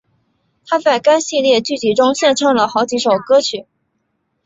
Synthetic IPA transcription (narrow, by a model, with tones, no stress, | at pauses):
t̪ʰa˥t͡sa˥˩ɪka˥ɪɕi˥˧ljɛ˥˧t͡ɕy˥˩t͡ɕi˧˥˩ʈ͡ʂʊ˥ŋɕjɛ˥˧nʈ͡ʂʰɑ˥˩ŋlə˩xɑ˧˥ʊt͡ɕi˧˥ʂo˨˩ʊkɤ˥t͡ɕʰy˨˩˦